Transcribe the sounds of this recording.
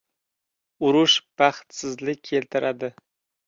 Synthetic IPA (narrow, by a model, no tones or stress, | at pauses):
ʊɾʊʃpaχt̪sɪzlɪkʲkʰːelt̪ʰɪɾʔad̪ɪ